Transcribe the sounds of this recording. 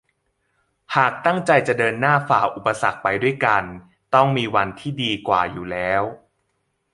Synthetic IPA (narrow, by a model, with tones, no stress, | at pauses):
haː˨˩k̚t̪a˥˩ŋt͡ɕa˧jt͡ɕa˨˩dɤː˧nːaː˥˩faː˨˩ʔu˨˩pːa˧sa˨˩k̚pa˧jdu˥˩əjka˧n | t̪ɔ˥˩ŋmiː˧wa˧nt̪ʰiː˥˩diː˧kwa̰ː˨˩juː˨˩lɛː˦˥w